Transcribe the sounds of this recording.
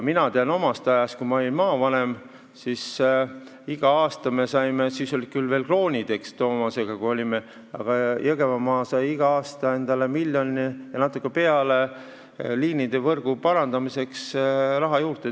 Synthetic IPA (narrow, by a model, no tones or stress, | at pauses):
minɑt̪eɑno̞mɑst̪ɑjɑst̪̚kumɑo̞lʲinmɑːvɑne̞m | sis | iɡ̥ɑɑːst̪ɑme̞sɑjmesiːso̞lʲi̥kylve̞ːlklo̞ːnʲid̪̥e̞kst̪o̞ːmɑse̞ɡ̥ɑkuo̞lʲime | ɑ̰ɡ̥ɑjɤɡe̞vɑmɑːsɑjiɡ̥ɑɑːst̪ɑe̞nd̪̥ɑle̞milʲjo̞nʲijɑnɑt̪ːˑukːˑe̞pe̞ɑle̞ | liːnid̪̥e̞vɤrɡ̥upɑɾɑnd̪ɑmise̞ksrɑɦɑjuːrt̪e